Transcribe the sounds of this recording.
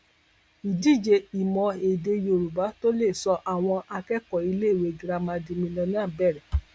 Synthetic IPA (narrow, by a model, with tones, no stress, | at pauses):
i˨di˦˨d͡ʒe˧i˨mɔ̃˧e˨de˧jo˧˨ɾu˨ba˨˦to˦le˦˨sɔ˧ʔa˨w̃ɔ̃˧a˧kɛ˦kɔ˨i˧le˦˨we˨˧˦ɡɾa˧mã˧dĩ˧mĩ˧lɔ̃˧nĩ˦a˦˨bɛ˦˨ɾɛ˨